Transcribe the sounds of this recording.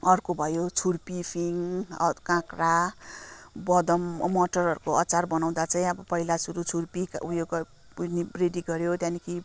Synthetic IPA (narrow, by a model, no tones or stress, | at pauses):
ʌrkobʱʌjot͡sʰurpipʰiŋʌkãkra | bʌd̪ʌmmʌʈʌrʌɾukoʌt͡sarbʌnaw̃d̪at͡saĩʌbʌpʌɦilasuɾut͡sʰurpikujoɡ | nireɖiɡʌɾjot̪janikʰi